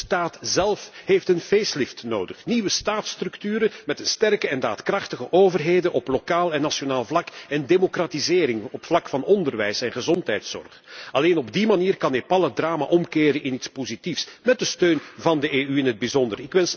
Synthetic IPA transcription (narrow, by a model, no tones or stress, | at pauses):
staːtz̥ɛlˠfheːftənveːslɪftnoːdəxniʋəstaːtstrɵktyːɾəmɛtənstɛrkəɛnda̰ːtkrɑxtəɣəʔoːvərɦeːdənʔɔplokaːlˠɛnːasjonaːlˠvlɑkɛndemokratizɪːɾɪŋɔpflɑkfɑnɔndərʋɛjsɛnɣəzɔntɦɛjtsɔ̰rχɑleːnɔbdimaniːrkɑnɪpɑlədraːma̰ʔɔmkɪːɾənʔɪnitspozitifsmɛt̚dəstøːnvɑndəʔeːyɪnɦəd̚bizɔndərɪkʋɛns